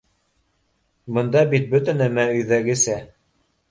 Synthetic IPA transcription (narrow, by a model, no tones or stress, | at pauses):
bɤ̆nd̪ɑbit̪̚bɵt̪ɘnæmæɵ̆jðæɡɘ̆sæ